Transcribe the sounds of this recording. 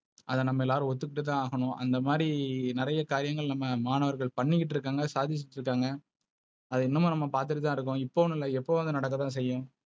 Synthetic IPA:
ʔɐðɐ̃nɐmːɐɛlːaːɾɯ̃ɔt̪̬ːɯkːɪʈːɯt̪ãːaːɣɐɳʊ̃ɐ̰nd̪ɐmaːdɾinɪɾɐjɐkaːɾɪjɐŋɡɐɭnɐmːɐmaːnɐʋɐɾɣɐɭpɐɳːɪkːɪʈ̬ːɪɾɯkːaːŋɡɐsaːðɪt͡ʃːɪʈːɪɾɯkːaːŋɡɐ | ɐðɯɪnːɐmʊ̃nɐmːɐpaːɾt̪̬ɯʈːɯt̪ãːɪɾɯk̬ːʊ̃ɪpːoːʋnɪlːɐɛpːoːʋɐðɯnɐɽɐk̬ːɐt̪ːãːs̬ɛjːʊ̃

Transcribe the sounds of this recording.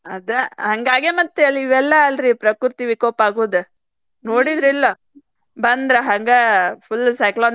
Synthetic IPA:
ɐd̪ɐhɐŋɡaːɡemɐt̪ːeɐlːiʋɛlːɐːlɾipɾɐkuɾt̪iʋikoːpaːɡuːd̪e | noːɽid̪ɾilːɐ | bɐnd̪ɾɐɦɐŋɡɐpʰulːsɐjkloːn

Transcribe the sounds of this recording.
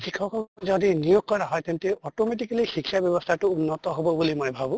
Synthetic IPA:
kʰikʰɔkʰɔzɔdinijoɡ̚kɔɹaɦɔjt̪ɛnt̪eɔtomet̬ikalixikʰːjabjɔbɔst̪ʰatʊːnːɔt̪ɔɦobɔbulimojbʱabũ

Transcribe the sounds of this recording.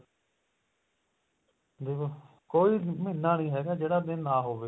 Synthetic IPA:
d̪iː | koːiːmɪnːãːnĩːɦɛːɡaːd͡ʒeːɽaːd̪ɪnːãːɦoːʋeː

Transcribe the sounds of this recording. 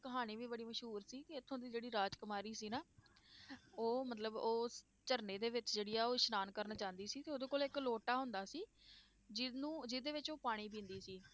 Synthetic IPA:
kəɦaːñiːʋiːbəɽiːməʃɦuːɾsiːkɪɪt̪ʰːõːnd̪iːd͡ʒeːɽiːɾaːd͡ʒkəmaːɾiːsiːnaː | oːmət̪ləboːs | t͡ʃəɾneːd̪eːʋɪt͡ʃd͡ʒeːɽiːjaːoːʃnaːnkəɾnaːt͡ʃãːnd̪iːsiːt̪eːoːd̪õːkoːlɪkloːʈaːɦʊ̃nd̪aːsiː | d͡ʒɪnũːd͡ʒɪd̪eːʋɪt͡ʃoːpaːɽ̃iːp̬ĩːnd̪iːsiː

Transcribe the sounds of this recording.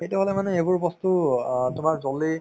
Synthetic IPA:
xetɛɦolɛmanɛebʊɹbɔstutʊmaɹzɔli

